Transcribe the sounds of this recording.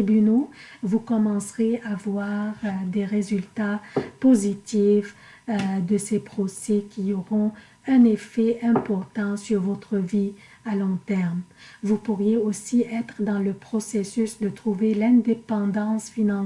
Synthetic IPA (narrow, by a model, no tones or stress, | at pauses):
ibynovukɔmɑ̃sʁeavwaʁd̪eʁezylt̪apozit̪if | d̪əsepχɔsɛkʲiɔʁɔ̃ | ɛ̃nefɛɛ̃pɔʁt̪ɑ̃syʁvɔt̪χəvi | alɔ̃t̪ɛʁmvupuʁjeosiʔɛt̪χəd̪ɑ̃ləpχɔsesysd̪ət̪χuvelɛ̃d̪epɑ̃d̪ɑ̃sfinɑ̃